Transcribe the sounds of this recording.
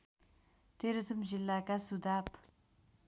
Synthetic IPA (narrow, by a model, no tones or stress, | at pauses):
t̪erət͡sʰəmɦʑilːakasuɦd̪ap̚